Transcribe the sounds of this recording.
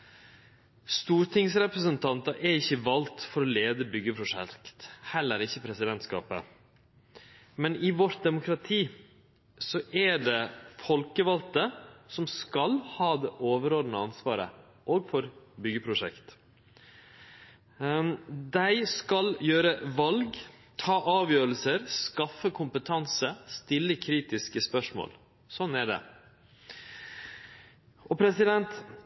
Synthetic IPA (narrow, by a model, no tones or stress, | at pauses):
st̪uːɾʈ̪ʰɪŋsɾɛpɾəsənt̪ʰɑnt̪ɑʔɛɾɪçːəʋɑlt̪fɔɾɔleːd̪əbʏɡəpʰɾʊʂɛ̰kt̪hɛlːəɾɪçːəpʰɾɛsɪd̪ɛnt̪skɑ̰ːpə̰ | mɛnɪʋɔɾt̪̚d̪ɛmʊkʰɾɑt̪ʰiː | sɔʔɛɖɛfɔlkəʋɑlt̪əsɔmskɑlhɑːd̪eːʔoːʋəɾoːd̪nəɑnsʋɑːɾə̰ | ʔoːɡfɔɾbʏɡəpʰɾʊʂɛkt̪ | d̪æɪskɑljøːɾəʋɑlɡ | t̪ʰɑːʔɑːʋjøːɾəlsəɾskɑfːəkʰʊmpət̪ʰɑnsəst̪ɪlːəkʰɾiːt̪ɪskəspœʂmo̰ːl | sɔnːæɖɛ̰ | ʔɔpʰɾɛsɪd̪ɛnt̪